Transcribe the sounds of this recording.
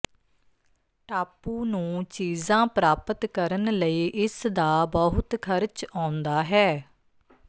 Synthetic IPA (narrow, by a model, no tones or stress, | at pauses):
ʈaːpuːnũːt͡ʃiːzãːpɾaːpət̪kəɾənləiːʔɪsd̪aːbəɦʊt̪kʰəɾt͡ʃãːnd̪aːɦɛː